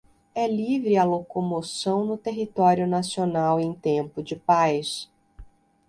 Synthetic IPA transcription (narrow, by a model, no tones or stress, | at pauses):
ɛlivɾɪɐlokomosɐ̃w̃nʊt̪eɦit̪ɔɾjʊnasionawẽj̃t̪ẽmpʊd͡ʒɪpajs